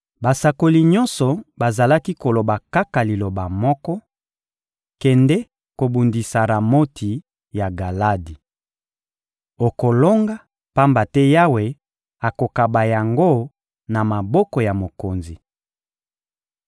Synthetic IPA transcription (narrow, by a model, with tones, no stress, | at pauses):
ba˨sa˨ko˨li˨ɲɔ˦nsɔ˨ba˨za˨la˦ki˦ko˨lo˨ba˨ka˦ka˨li˨lo˨ba˨mɔ˦kɔ˦ | kɛ˨ndɛ˦ | ko˨bu˨ndi˨sa˨ɾa˨mo˦tʰi˨ | ja˨ɡa˨la˦di˨ | o˨ko˨lo˦ŋɡa˦ | pa˦mba˨tɛ˦ja˦we˨ | a˨ko˨ka˨ba˨ja˨ŋɡo˦ | na˨ma˨bɔ˦kɔ˨ja˨mo˨ko˨nzi˨